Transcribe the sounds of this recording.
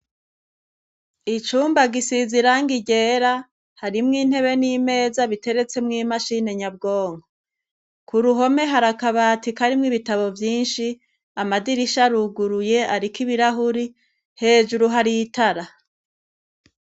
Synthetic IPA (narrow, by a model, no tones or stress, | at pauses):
it͡ʃuːmbaɡisiziɾaŋɡiɟe̞ːɾa | haɾimŋiːn̥he̞βe̞niːme̞ːzaβite̞ɾe̞t͡se̞mŋiːmaʃine̞ɲabɡo̞ːŋɡo | kʰuɾuɦo̞me̞ɦaɾakaβatikaɾimŋiβitaβo̞vjiːnʃi | amadiɾiʃaɾuɡuɾuje̞aɾikiβiɾaɦuɾi | he̞ːʒuɾuɦaɾitaɾa